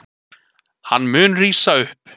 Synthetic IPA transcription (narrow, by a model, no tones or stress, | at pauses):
hanːmʏːnriːsaʏhp